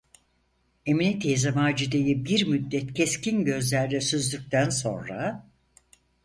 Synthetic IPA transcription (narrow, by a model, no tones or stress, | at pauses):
eminit̪ʰezamaːd͡ʒid̪ejibiɾmyd̪ːɛt̪cʰescinɟø̞zlʲæɾd̪ɛsyzlʲyc̚t̪ʰænso̞nɾa